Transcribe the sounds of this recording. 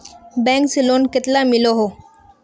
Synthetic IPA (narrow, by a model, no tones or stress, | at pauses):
bɛ̃ksilonket̪lamiloɦo